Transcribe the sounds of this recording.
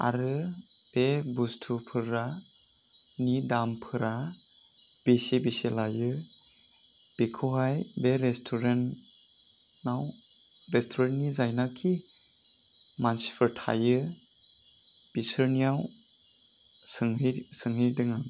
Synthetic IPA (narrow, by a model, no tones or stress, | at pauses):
a̰ɾɯ | b̥ebustʰupʰɯɾa | nidampʰɯɾa | b̥esebiselajɯ | b̥ekʰuɦajbeɾestʰuɾen | naw | ɾestʰuɾennizajnakʰi | mansi̥pʰɯɾtʰa̰jɯ | b̥isɯɾnijaw | sɯŋsɯŋɦɯdɯŋa